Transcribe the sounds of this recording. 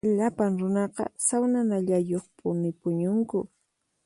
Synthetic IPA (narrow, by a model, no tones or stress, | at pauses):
ʎapaŋɾʊnɑqɑ̰sawnanaʎajoχpʼʊnɪpʊɲʊŋkʊ̰